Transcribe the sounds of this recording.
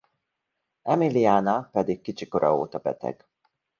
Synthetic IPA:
ɛmiliaːnapɛd̪ikkːit͡ʃiko̞ɾʔɒo̰ːt̪ɒbɛ̰t̪ɛ̰ɡ̥

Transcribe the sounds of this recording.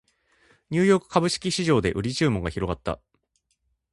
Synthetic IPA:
ɲ̟ɨːjo̞ːkɯ̟̥kʰabɯ̟ɕi̥kʲiɕiʑo̞ːd̪e̞ʔɯ̟ɾʲit͡ɕɨːmo̞ɡaçiɾo̞ɡat̪ːa̰

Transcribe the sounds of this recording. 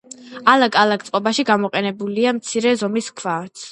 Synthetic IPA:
alaɡʼalakt̪ʼqʼɔbaʃiɡamɔqʼɛnɛbuliamt̪sʰiɾɛzɔmiskʰvat̪s

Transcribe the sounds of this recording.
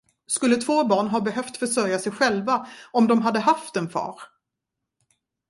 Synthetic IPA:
skɵlːət̪ʰvoːbɑːɳɦɑːbɛɦœft̪fœʂœɾjasɛjɧɛlvaɔmd̪ɔmɦad̪ːəɦaft̪ɛnfɑ̰ːɾ

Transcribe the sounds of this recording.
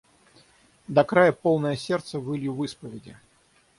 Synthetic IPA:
d̪ɐkɾajəpolˠnəjəsʲert̪səvɨlʲjuvɨspəvʲɪdʲɪ̰

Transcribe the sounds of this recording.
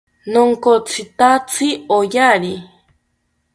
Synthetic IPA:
noŋkot͡sʰit̪at͡sʰɨojaɾi

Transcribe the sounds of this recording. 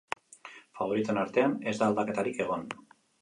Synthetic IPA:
faβo̞ɾit̪e̞naɾt̪e̞ane̞zd̪aːld̪ake̞t̪aɾike̞ɣ̞o̞n

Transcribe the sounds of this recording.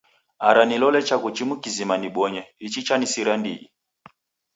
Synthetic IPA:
aɾanilɔlɛt͡ʃakut͡ʃimukizimaniɓɔɲɛit͡ʃit͡ʃanisiɾandḭḭ

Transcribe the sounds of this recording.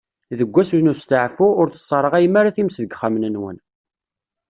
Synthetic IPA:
ðəɡʷːæsunust̪əʕfuʊɾθə̥sˤːɑɾˤəʁæjəmaɾaθimsðəɡχamnənwə̰n

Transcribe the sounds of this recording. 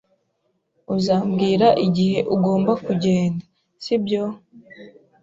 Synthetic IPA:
uzaːmbɡiːɾaʔiɟihe̞ʔuɡo̞ːmbakuɟe̞ːnda | sibjo

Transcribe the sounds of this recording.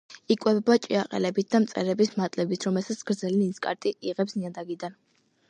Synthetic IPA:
ikʼwɛbɛbat͡ʃʼiaqʼɛ̰lɛbit̪̚ʰd̪amt̪sʼɛɾɛbismat̪ʼlɛbit̪ʰɾɔmɛlsat̪sʰɡ̥ɾd̪zɛlininskʼa̰ɾt̪ʼiiʁɛpsziad̪aɡid̪an

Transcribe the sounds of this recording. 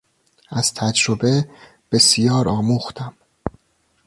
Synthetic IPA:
æz̥t̪ʰæd͡ʒɾobe̞ | b̥e̞sijɒːɾɒːmuːxt̪ʰæm

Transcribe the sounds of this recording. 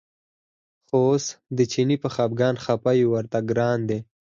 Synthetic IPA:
xoosd̪ət͡ʃinipəxɑːb̚ɡɑːnxapajuwaɾt̪aɡɾɑːnd̪e

